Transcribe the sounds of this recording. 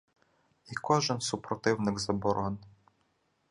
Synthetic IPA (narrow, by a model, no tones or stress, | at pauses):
ikɔʒɪnsupɾɔt̪ɪwnɪɡzɐbɔɾɔn